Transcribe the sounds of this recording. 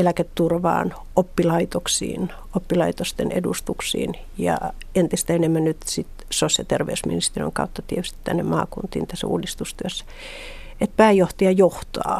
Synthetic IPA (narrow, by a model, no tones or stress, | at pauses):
elæket̪ːurʋɑ̰ːn | opːilɑit̪oksḭːn | opːilɑit̪ost̪enʔḛdust̪uksḭːn | jɑ̰ | ent̪ist̪æenemːænnyt̪sit̪ | sosjɑt̪erʋḛysmḭnist̪erio̰ŋkɑ̰ut̪ːɑt̪iet̪yst̪i̥t̪t̪ænːemmɑ̰ːkunt̪ḭːnt̪æsːæ̰ṵːdist̪ust̪yøsːæ̥ | et̪̚pæːjoht̪ɑɑjoht̪ɑ̰ː